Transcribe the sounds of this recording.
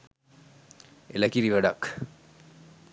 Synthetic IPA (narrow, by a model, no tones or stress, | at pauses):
elɐkiɾiʋaɖak